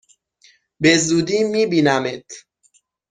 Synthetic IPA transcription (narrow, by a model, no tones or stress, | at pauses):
bezuːd̪iːmiːbiːnæmet̪ʰ